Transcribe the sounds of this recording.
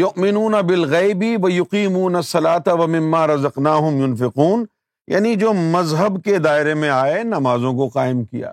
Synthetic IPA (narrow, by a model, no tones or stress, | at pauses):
jʊʔmɪnuːnɐbɪlɣɛːbiʋɐjʊqiːmuːnɐsːɐlaːt̪aʋɐmɪ̃mːaːɾɐzɐqnaːɦʊmjʊnfɪquːn | ja̰ːnid͡ʒoːmɐzɦəbked̪aːɪɾemẽaːenɐmaːzõk̬oqaːɪmkija̰ː